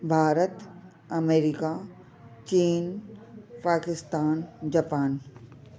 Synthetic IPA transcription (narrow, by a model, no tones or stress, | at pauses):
bʱaːɾət̪ | ɐmeːɾika | t͡ʃiːn | paːkɪst̪aːnd͡ʒapaːn